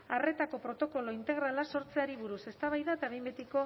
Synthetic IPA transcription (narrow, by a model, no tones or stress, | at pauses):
are̞t̪ako̞pɾo̞t̪o̞ko̞lo̞int̪e̞ɣɾalaso̞ɾt͡se̞aɾiβ̞uɾuse̞st̪aβajðaet̪aβe̞jmbet̪iko̞